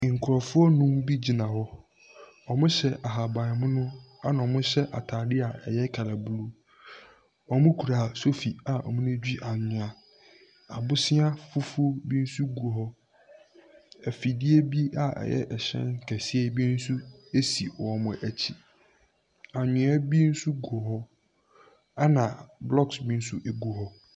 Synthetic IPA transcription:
ŋ̩˨kʰʊ˨ɾɔ˨fʊ˦ɔ˦nũ˦mbi˦d͡ʑi˨nã˨hɔ˦ | ɔ˨mʊ̃˦ɕɛ˨ʔa˨ɦa˨bã˨mʊ̃˦nʊ̃˦ | a˦nã˨ɔ˨mʊ̃˦ɕɛ˦ʔa̰˨tʰaː˨dɪ˦a˨ɛ˨jɛ˦kʰa˨la˨bu˦lu˦ | ɔ˨mʊ̃˦kʰu˨ɾaː˨so˦fi˨a˨ɔ̰˨mʊ̃˦nɪ̃˦d͡ʑᶣi˦ʔa˨ɲʊ̃˨a˨ | a˨bʊ˦sɪ˦a˦fʊ˦fʊ˦o˦bi˦n̩˦su˦ɡo˨ɦɔ˦ | ɛ˨fi˨di˦e˦bi˦a˨ɛ̰˨jɛ̰˦ʔɛ˨ɕɛ̰̃˦n˦kʰæ˨sɪ˦e˦bi˦n̩˦su˦e˦si˨wɔ˨mʊ̃˨ʔæ˨t͡ɕʰi˨ | a˨ɲʊ̃˨˦a˦bi˦n̩˦su˦ɡo˨ɦɔ˦ | a˦nã˨blɔ˦ksbi˦n̩˦su˦ʔe˨ɡu˨ɦɔ˦

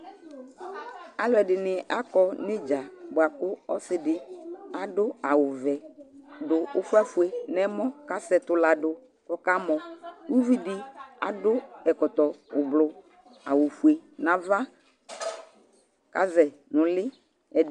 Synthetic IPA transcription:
a˨lɔ˨ɛ˨dɪ˨nɪ˨ʔa˦kɔ˦nɪ̃˦d͡ʒa˨bʊ˨a˨kʊ˦ɔ˦sɪ˦dɪ˨a˨dʊ˦a˨wʊ˨vɛ˨dʊ˨ʊ˦fʊ˦a˦fu˨e˨nɛ˦mɔ̃˦ka˦sɛ˨t̪ʊ˨la˨dʊ˨ | kɔ˦ka˦mɔ˨wu˦vi˦dɪ˦a̰˨dʊ˦ɛ˨kɔ˨t̪ɔ˨ʊ˨blʊ˨ | a̰˨wʊ˨fu˨e˨nã˨va˦ | ka˦zɛ˨ | nʊ̃˨lɪ˦ | ɛ˨

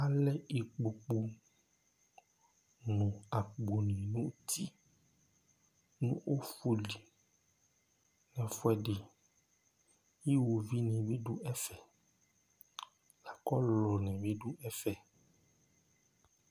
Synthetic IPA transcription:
a˦lɛ˦i˨k͡po˨k͡pu˨ | nũ˨a˨k͡po˨nĩ˨nũ˦t̪ʰi˦ | nũ˦ʔo˦fu˦li˨ | nɛ̃˨fɔ˦ɛ˦ɖe˨ | ji˦wo˨vi˦nĩ˨be˦ɖu˦ʔɛ˦fɛ˨ | la˨kɔ˦lɔ˨nɛ̃˨be˦ɖu˦ɛ˦fɛ˨

